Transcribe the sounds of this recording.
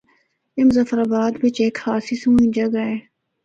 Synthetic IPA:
ɪmzɐfɾaːbaːd̪bɪt͡ʃeːkhaːsiːsuːĩd͡ʒɐɡaeː

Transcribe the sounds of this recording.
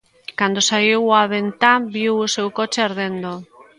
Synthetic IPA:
kand̪osaiwaβent̪abiwosewkot͡ʃeaɾðend̪o

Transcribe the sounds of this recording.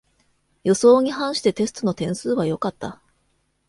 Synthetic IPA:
jo̞so̞ːɲ̟ihãɰ̃ɕi̥t̪e̞t̪e̞sɨ̥t̪ono̞t̪ẽ̞ɰ̃sɨːβajo̞kat̪ːa

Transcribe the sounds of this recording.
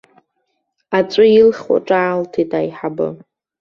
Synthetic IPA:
at͡sʷʼʊilχwa̰ʈ͡ʂʼaːltʰitʼajħabɨ̰

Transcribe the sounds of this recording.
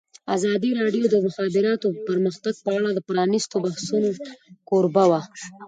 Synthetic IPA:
azɑd̪iɾɑɖjod̪əmʊxɑːbɪɾɑt̪opəɾməxt̪aɡ̚pəaɽad̪əpɾɑnist̪obahsunokoɾbawa

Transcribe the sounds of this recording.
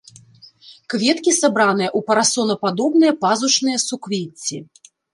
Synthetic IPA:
kvʲɛt̪kʲisabɾanɨjɐʔupɐɾasɔnɐpad̪ɔbnɨjɐpazut͡ʂnɨjɐsukvʲet͡sʲːi

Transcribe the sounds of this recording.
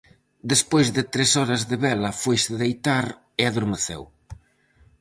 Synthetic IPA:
d̪espojzðɪt̪ɾesɔɾɐzðɪβɛlɐfojsɪðejt̪aɾ | ɪaðoɾmeθḛw

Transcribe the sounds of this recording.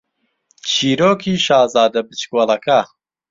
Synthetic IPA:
t͡ʃʰiːɾoːkʰiːʃaːzaːd̪ɐbɨt͡ʃkwɐlˠɐkʰɐ

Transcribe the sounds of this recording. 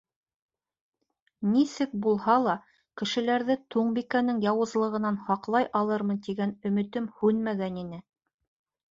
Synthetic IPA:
nisɘk̚bulˠhɑlˠɑ | kɘ̆ʃɘ̆læɾðɘt̪ʰuɴbikænɘŋjɑwɤ̆zlˠɤ̆ʁɤ̆nɑnhɑqlˠɑjʔɑlˠɤɾmɤ̆nt̪iɡænɵ̆mɘ̆t̪ɘmhʉnmæɡæninɘ

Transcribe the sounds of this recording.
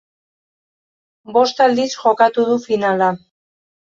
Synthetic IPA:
bo̞st̪ald̪isxo̞kat̪uð̞ufinala

